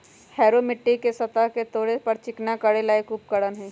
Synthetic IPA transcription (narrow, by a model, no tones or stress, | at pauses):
hɛːɾomɪʈːikesɐt̪aɦket̪oːɽepɐɾt͡ʃɪknakəɽelaekuːp̚kəɽənɦɛ̃ː